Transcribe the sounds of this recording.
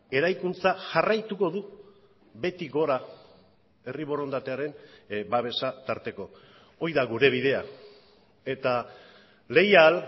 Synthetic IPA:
e̞ɾajkunt͡saʝarajt̪uko̞ðu | be̞t̪iɣo̞ɾa | e̞riβo̞ɾo̞nd̪at̪e̞aɾe̞nbaβ̞e̞sat̪aɾt̪e̞ko̞ | o̞jðaɣuɾe̞β̞iðe̞a | e̞t̪a | le̞jal

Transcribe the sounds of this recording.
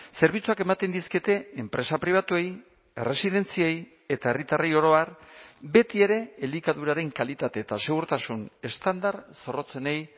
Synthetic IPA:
se̞ɾβ̞it͡suake̞mat̪e̞nd̪isket̪e̞empɾe̞sapɾiβ̞at̪uej | ere̞siðe̞nt͡siej | e̞t̪ae̞rit̪arejo̞ɾo̞aɾbe̞t̪ie̞ɾe̞elikaðuɾaɾe̞ŋkalit̪at̪e̞ːt̪ase̞ɣ̞uɾt̪asune̞st̪and̪aɾso̞ro̞t͡se̞ne̞j

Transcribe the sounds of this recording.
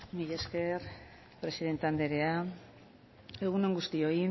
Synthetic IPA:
miʎeske̞ɾ | pɾe̞siðe̞nt̪eand̪e̞ɾe̞a | e̞ɣune̞ŋɡust̪io̞i

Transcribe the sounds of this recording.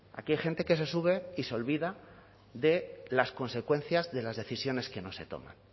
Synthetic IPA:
a̰kiajxe̞nt̪e̞ke̞se̞suβ̞e̞iseo̞lβiða | ðe̞lasko̞nse̞kwe̞nθjazðe̞lazðe̞θisjo̞ne̞ske̞no̞se̞t̪o̞̰mã̰n

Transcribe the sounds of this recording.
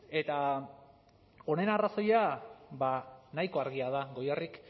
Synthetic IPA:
e̞t̪a | o̞ne̞naraso̞jabanajko̞aɾɣiað̞aɣo̞jarik

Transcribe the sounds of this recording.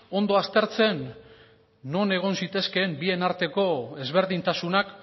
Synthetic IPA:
o̞nd̪o̞ast̪e̞ɾt͡se̞nː | o̞ne̞ɣ̞o̞nsit̪e̞ske̞mbie̞naɾt̪e̞ko̞e̞zβe̞ɾðint̪asunak

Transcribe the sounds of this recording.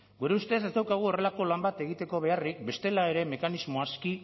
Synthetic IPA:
ɡuɾe̞ust̪esest̪awkaɣ̞uo̞re̞lako̞lambat̪e̞ɣ̞it̪e̞ko̞β̞e̞arik̚be̞st̪e̞lae̞ɾe̞me̞kanizmo̞aski

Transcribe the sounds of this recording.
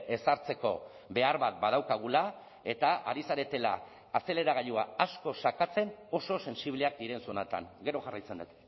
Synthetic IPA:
e̞saɾt͡se̞ko̞ | be̞aɾβat̪̚bað̞awkaɣ̞ula | e̞t̪aa̰ɾisaɾe̞t̪e̞laː | se̞le̞ɾaɣ̞aʎuaasko̞sakat͡se̞no̞so̞se̞nsiβleak̚d̪iɾe̞nsonat̪a̰ŋɡe̞ɾo̞ʝarajt͡send̪et̪

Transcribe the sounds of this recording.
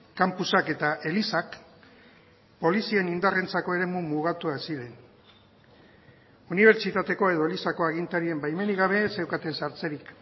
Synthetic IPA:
kampusake̞t̪aʔe̞lisak | po̞lisie̞nind̪are̞nt͡sako̞e̞ɾe̞mumuɣ̞at̪uasiɾe̞n | uniβ̞e̞ɾt͡ʃit̪at̪e̞ko̞e̞ðo̞elisako̞aɣint̪aɾie̞mbajme̞niɣaβ̞e̞sewkat̪e̞nsaɾt͡se̞ɾik

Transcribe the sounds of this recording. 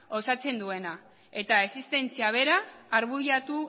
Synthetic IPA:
o̞sat͡se̞nd̪ue̞na | e̞t̪ae̞sist̪e̞nt͡siaβ̞e̞ɾaːɾβuʝat̪u

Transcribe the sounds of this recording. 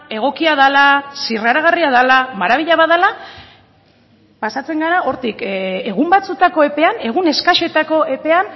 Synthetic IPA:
e̞ɣ̞o̞kiað̞alasiraɾaɣ̞ariaðalamaɾaβiʎaβaðala | pasat͡se̞ŋɡaɾao̞ɾt̪ike̞ɣ̞umbat͡sut̪ako̞e̞pe̞ane̞ɣ̞une̞skaʃo̞t̪ako̞e̞pe̞an

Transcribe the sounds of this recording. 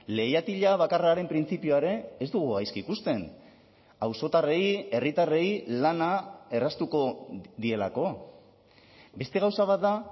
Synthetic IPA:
le̞jat̪iʎaβakaraːɾe̞mpɾint͡sipioaɾe̞ːzd̪uɣuajskikust̪e̞n | awso̞t̪are̞je̞rit̪are̞jlanae̞rast̪uko̞ðie̞la̰ko̞ | be̞st̪e̞ɣ̞awsaβ̞at̪̚d̪a

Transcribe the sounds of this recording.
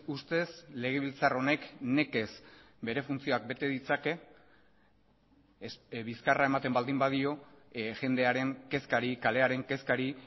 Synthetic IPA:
ust̪e̞sle̞ɣ̞e̞β̞ilt͡saro̞ne̞kne̞ke̞s | be̞ɾe̞funt͡sio̞ak̚be̞t̪e̞ðit͡sake̞ | βiskarae̞mat̪e̞mbald̪imbaðio̞ | ʝe̞nd̪e̞aɾe̞ŋke̞skaɾikale̞aɾe̞ŋke̞skaɾi

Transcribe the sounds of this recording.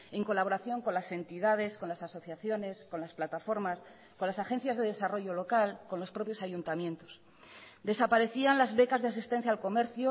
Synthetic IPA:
e̞ŋko̞laβ̞o̞ɾaθjo̞ŋko̞nlase̞nt̪iðað̞e̞sko̞nlasaso̞θjaθjo̞ne̞sko̞nlasplat̪afo̞ɾmas | ko̞nlasaxe̞n̟θjazðe̞ð̞e̞saro̞ʝo̞lo̞kalko̞nlo̞spɾo̞pjo̞saʝunt̪amje̞nt̪o̞̥s | d̪e̞sapaɾe̞θianlazβe̞kazðeasist̪e̞n̟θ̬jaːlko̞me̞ɾθjo

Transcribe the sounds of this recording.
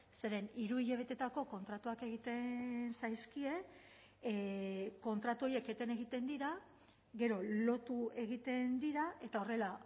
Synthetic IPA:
se̞ɾe̞niɾuiʎe̞β̞e̞t̪e̞t̪ako̞ko̞nt̪ɾat̪uake̞ɣit̪ensajskie̞ | ko̞nt̪ɾat̪uo̞je̞ke̞t̪ene̞ɣit̪e̞nd̪iɾa | ɣe̞ɾo̞lo̞t̪ue̞ɣ̞it̪e̞nd̪iɾaʔe̞t̪ao̞re̞la

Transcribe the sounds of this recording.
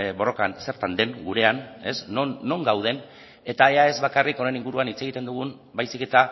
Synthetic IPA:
bo̞ro̞kanse̞ɾt̪and̪e̞ŋɡuɾe̞ane̞sːonːo̞ŋɡawð̞e̞n | e̞t̪ae̞ae̞zβakariko̞ne̞niŋɡuɾuanit͡se̞ɣ̞it̪e̞nd̪uɣ̞un | bajsike̞t̪a

